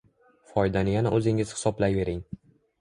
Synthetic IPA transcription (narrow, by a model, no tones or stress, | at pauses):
fɒjd̪anɪjanaʔɵzɪŋɪz̥hɪ̥sɒblajve̞ɾɪŋ